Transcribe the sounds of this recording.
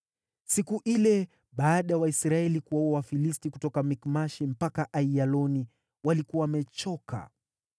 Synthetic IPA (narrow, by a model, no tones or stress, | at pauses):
sikuʔilɛ | ɓaːɗajawaisɾaɛlikuauawafilistikutɔkamikmaʃim̩pakaʔaialɔni | walikuwawamɛt͡ʃɔka̰